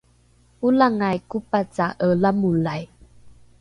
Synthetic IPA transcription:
ulaŋajkupat͡saʔəlamulaj

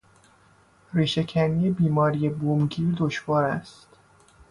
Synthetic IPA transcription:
riːʃe̞cʰænijebiːmɒːɾije̞bomɟiːɾd̪oʃvɒːɾæst̪

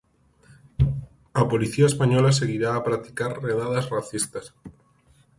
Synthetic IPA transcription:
apoliθiaespaɲolaseɣiɾaːpɾat̪i̥kaɾreðaðazraθist̪as

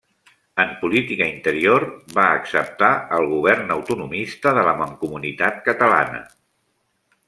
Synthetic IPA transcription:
əmpulit̪ikəint̪əɾiorβaəksəp̚t̪aəlˠɣ̞uβ̞ɛrnəwt̪unumist̪əðələməŋkumunit̪at̪̚kət̪əla̰nə̰

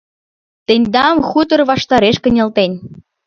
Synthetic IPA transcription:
t̪enʲd̪ɑmxut̪ə̆rβɑʃt̪ɑɾeʃkə̆nʲĕlt̪enʲ

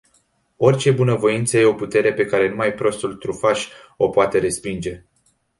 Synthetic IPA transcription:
o̞rʲt͡ʃe̞bunəvo̞int̪səje̞o̞put̪e̞ɾe̞pe̞kaɾe̞numajpɾo̞st̪ult̪ɾufaʃʲ | o̞poat̪e̞ɾe̞spind͡ʒe̞

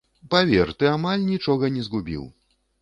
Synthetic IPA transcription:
pavʲɛrt̪ɨamalʲnʲit͡ʂɔɣɐnʲɛzɣubʲḭw

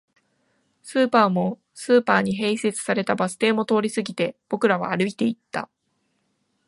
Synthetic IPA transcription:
sɨːpaːmo̞ | sɨːpaːɲ̟iɦe̞ːse̞t͡sɨ̥saɾe̞t̪abasɨ̥t̪e̞ːmo̞t̪o̞ːɾʲisɨɡʲit̪e̞b̥o̞kɯ̟ɾaβ̞a̰aɾɯ̟it̪e̞it̪ːa̰

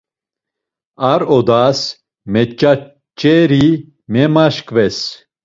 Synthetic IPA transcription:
aɾɔd̪as | mɛt͡ʃʼa | t͡ʃʼɛɾi | mɛmaʃkʼvɛs

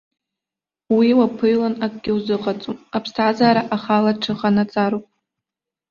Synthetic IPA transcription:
wiwapʰɨjlanakʼɡ̥ʲɪwzɨqʼat͡sʼumapʰstʰazaːɾaʔaχalaʈ͡ʂʰɨχanat͡sʼaɾopʼ

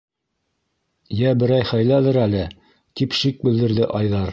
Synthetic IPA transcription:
jæbɘ̆ɾɑjχæjlæðɘɾælɘ | t̪ipʃik̚bɘ̆ld̪ɘ̆ɾðɘʔɑjðɑɾ

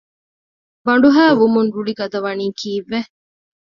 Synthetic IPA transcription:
bɐɳɖuɦæːʋumunɾuɽiɡɐd̪ɐʋɐniːkʰiːʋːe

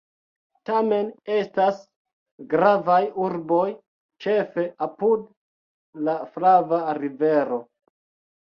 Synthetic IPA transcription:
tame̞ne̞stas | ɡɾavajuɾbo̞j | t͡ʃe̞fe̞apud | lafɾavaɾive̞ɾo̞

